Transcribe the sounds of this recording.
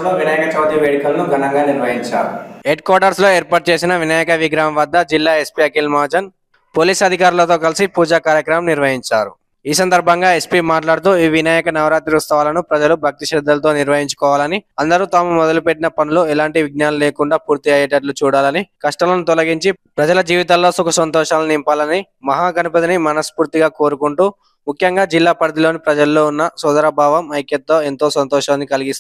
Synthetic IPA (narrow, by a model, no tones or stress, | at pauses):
lo̞ːʋinaːjɐkɐt͡ʃaːd̪jɐʋeːɽikɐlɐnuɡʱɐnɐŋɡaːniɾʋɐɦiɲt͡ʃa̰ːɾṵɦeɖkaːɾɖɐɾslo̞ːeːɾpaːʈ̚t͡ʃe̞ːs̬inɐʋinaːjɐkɐʋiɡɾaːmʋɐd̪ʱːɐd͡ʒilːaːe̞spiɐkilmaːd͡ʒɐn | poːliːsɐd̪ʱikaːɾulɐt̪o̞ːkɐlisipuːd͡ʒaːkaːɾjɐkɾɐmɐmniɾʋɐɦiɲt͡ʃa̰ːɾu | iːs̬ɐnd̪ɐɾbʱɐŋɡaːe̞spiːmaːʈlaːɽut̪̬uːiːʋinaːjɐkɐnɐʋɾaːt̪iɾust̪ɐʋaːlɐnupɾɐd͡ʒɐlubʱɐk̚t̪iʃɛːd̪ːɐlɐt̪o̞ːniɾʋɐɦiɲt͡ʃu̥kɔːʋaːlɐniɐnd̪ɐɾuːt̪aːmumɔd̪ɐlupeʈːinɐpɐnuluɛlaːɳʈiʋiɡ̚naːnɐleːkuɳɖaːpuːɾt̪iɐjɐʈɐɾlut͡ʃuːɽaːlɐnikɐʂʈɐlɐnut̪ɔlɐɡiɲt͡ʃipɾɐd͡ʒɐlɐd͡ʒiːʋit̪aːlːo̞ːsukɐsɐnt̪ɔːʂaːlɐnimpaːlɐni | mɐɦaːɡɐnupɐt̪inimɐnɐspuːɾt̪iɡaːko̞ːɾukuɳʈuː | mukʰjɐŋɡaːd͡ʒilːaːpɐɾd̪ilo̞ːnipɾɐd͡ʒɐlːo̞ːunːɐsɔd̪ɐɾɐbʱaːʋɐmɐjkjɐt̪ːo̞ːent̪oːsɐnt̪ɔːʂɐːnːikɐliɡist̪